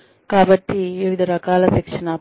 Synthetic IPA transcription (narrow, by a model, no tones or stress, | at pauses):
kaːbɐʈːiʋiʋid̪ʱɐɾɐkaːlɐsikʂɐnɐ